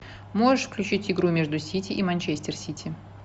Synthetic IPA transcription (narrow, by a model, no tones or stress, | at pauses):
moʐɨʂfklʲʉt͡ɕitʲɪɡɾumʲeʐd̪ʊsʲitʲiʔimɐnʲt͡ɕesʲtʲɪrsʲitʲi